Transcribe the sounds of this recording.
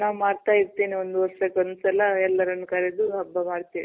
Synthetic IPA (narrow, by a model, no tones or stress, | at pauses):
naːwmaːɽt̪aːjiɾt̪iːniond̪uʋɐɾʂɐkːeond̪usɐlɐɛlːɐɾɐnːukɐɾed̪uɐbːɐmaːɽt̪iːʋḭ